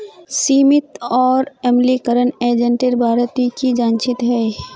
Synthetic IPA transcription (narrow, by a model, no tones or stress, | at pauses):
siːmɪt̪ɔːɾɛːmlikəɾəneːd͡ʒə̃ɳʈɪɾbʱaːɾt̪ikid͡ʒaːnt͡ʃɪt̪ɦɛː